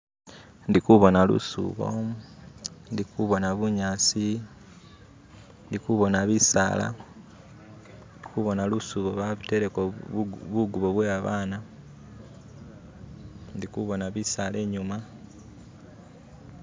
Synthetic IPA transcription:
ndikuβo̞nalṵsṵβo̞̰ | ndikuβo̞naβuɲaːsi | ndikuβo̞naβisa̰ːla̰ | ikuβo̞nalusuβo̞βaβute̞ɾekoβuɡuβo̞βweaβaːna | ndikuβo̞naβisale̞ːɲuma

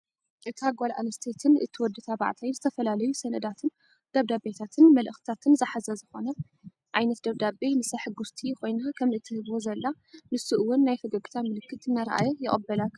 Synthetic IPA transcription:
ʔɨt̪ʰaɡʷalʔa̰nɐst̪ʰet̪ʰɨnʔɨ̰t̪ʰːɨwɔd̪ɨt̪ʰaβa̰ʕt̪ʰajnzɨt̪ʰɐfɐlalɐjusɐnʔɨd̪at̪ʰɨn | d̪̥ɐβd̪abet̪ʰat̪ʰɨnmɐlʔɨxt̪ʰat̪ʰɨnzɨħazɐzɨxo̞nɐ | ʔajnɐt̪d̪ɐβd̪abemɨsaħɨɡust̪ʰikʰo̞jnakʰɐmɨt̪ʰːɨhɨβwozɐlːa | mɨsɨʔɨwʊnːajfɐɡɐɡʼt̪ʰamɨlɨkːɨt̪ɨnːaɾɐʔa̰jɛjɪχʼɐbːɐlak

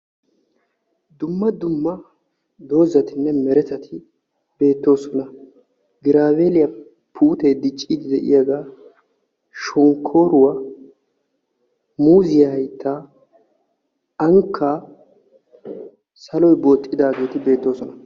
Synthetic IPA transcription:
d̪ʊmːɐd̪ʊmːɐ | d̪o̞ːzːɐt̪ɪnːɛmɛɾɛt̪ɐt̪ʰɪ | b̥e̞ːt̪ːo̞ːsɔnɐ | ɡɪɾaːwelɪjɐ | pʰuːt̪ejd̪ɪt͡ʃʼːiːd̪ɪd̪ɛʔɪ̰jɐɡaː | ʃɔŋkʰːo̞ːɾʊwɐ | muːzɪjɐhɐjt̪ʰːaː | ɐŋkʰːaː | sɐlɔjbo̞ːt̪ʼːɪd̪aːɡeːt̪ɪbe̞ːt̪ːo̞ːsɔnɐ

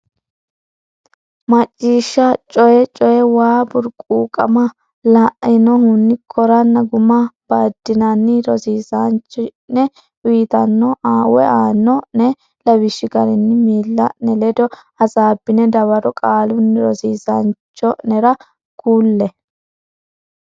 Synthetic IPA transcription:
mɐt͡ʃʼːiːʃːɐt͡ʃʼɔjɛt͡ʃʼɔjɛwaːbʊɾkʼuːkʼɐ̰mɐ | laʔɪnɔhunːɪkʰɔɾɐnːɐɡʊmɐb̥aːd̪̥ːɪnɐnːɪɾɔziːzant͡ʃːnɛ | wiːt̪ɐnːɔʔaːwɛ̰ʔaːnːɔnɛ | lɐβɪʃːɪɡɐɾɛnːɪmiːlːɐnɛlɛd̪ɔ | ɐzaːbːɪnɛd̪ɐβɐɾɔkʼaːlʊnːɪɾɔziːzɐnt͡ʃːɔnɛɾɐ | kuːlːɛ

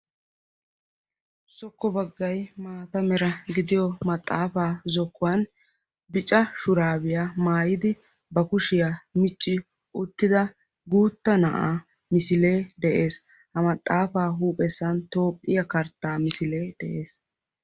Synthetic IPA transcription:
sɔkːɔbɐɡːɐjmaːt̪ɐmɛɾɐɡɪd̪ɪjɔmɐt̪ʼːaːfaːzɔkːʊwɐn | d̪ɪt͡ʃʼːɐʃʊɾaːbɪjaːmaːjɪd̪ɪ | bɐkʊʃɪjamɪt͡ʃʼːɪ | ʔʊt̪ːɪd̪ɐ | ɡuːt̪ːɐnɐʔa̰ː | mɪsɪle̞ːd̪ɛʔe̞ːs | hɐmɐt̪ʼːaːfaːɦuːpʼɛsːɐnt̪o̞ːpʼːɪjɐkɐɾt̪ːaːmɪsɪle̞ːd̪̥ɛʔe̞ːs

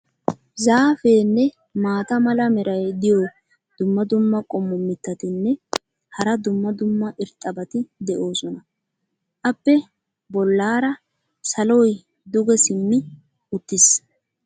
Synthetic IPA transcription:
zaːfe̞ːnːɛ | maːt̪ɐmɐlɐmɛɾʔɐjd̪ɪjɔj | d̪̥ʊmːɐd̪ʊmːɐkʼɔmːɔmːɪt̪ːɐt̪ɪnːɛ | hɐɾɐd̪ʊmːɐd̪ʊmːɐʔɪɾt̪ʼːɐbɐt̪ɪd̪ɛʔo̞ːsɔnɐ | ʔɐpːɛ | bɔlːaːɾɐ | sɐlɔj | d̪ʊɡɛsɪmːɪ | ʊt̪ːɪs

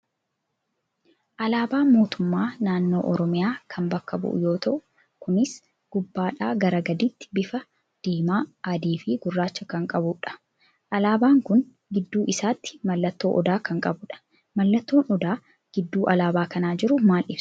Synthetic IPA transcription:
ʔɐlaːbaːmo̞ːt̪ʊmːaːnaːnːo̞ːʔɔɾɔmɪjaːkʰɐmbɐkːɐbʊ̰ʔʊ̰jo̞ːt̪ɐʔʊ | kʊnɪs | ɡ̥ʊbːaːᶑaːɡɐɾɐɡɐd̪ɪt̪ːɪ̥bɪfɐ | d̪̥eːmaːad̪iːfiːɡʊrːaːt͡ʃːɐkɐŋkʼɐbʊᶑɐ̥ | ʔɐlaːbaːŋkʊn | ɡɪd̪ːuːʔɪsaːt̪ːɪ̥mɐlːɐt̪ːo̞ːʔɔd̪aːkɐŋkʼɐbʊᶑɐ̥ | mɐlːɐt̪ːo̞ːnɔd̪aː | ɡ̥ɪd̪ːuːʔɐlaːbaːkɐnaːd͡ʒɪɾʊmaːlʔɪfs

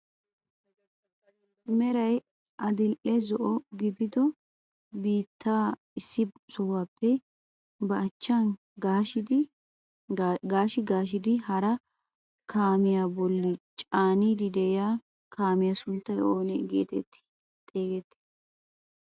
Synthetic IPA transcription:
mɛɾɐj | ʔɐd̪ɪlʔɛzɔʔɔɡɪbɪd̪ɔ | biːt̪ʰːaː | ɪsːɪsɔwaːpːɛ | bɐːt͡ʃːɐn | ɡaːʃd̪ | ɡaːʃɪɡaːʃɪd̪ɪhɐɾɐ | kʰaːmɪjaːbɔlːɪt͡ʃʼaːniːd̪ɪd̪ɛɪjaː | kʰaːmɪjasʊnt̪ːɐjoːnɛɡḛːt̪ɛt̪ːɪ̥ | t̪ʼeːɡɛt̪ːɪ̥

